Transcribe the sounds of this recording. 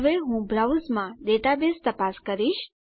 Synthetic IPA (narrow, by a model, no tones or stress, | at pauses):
ʋeɦũbɾawzmãɖeʈabest̪əpaskəɾiʃ